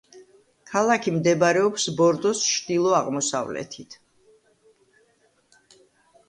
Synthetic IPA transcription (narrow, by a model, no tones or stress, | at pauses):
kʰalˠakʰimd̪ɛbaɾɛɔpsbɔɾd̪ɔsʃʰd̪ilˠɔaʁmɔsa̰vlɛ̰t̪ʰit̪ʰ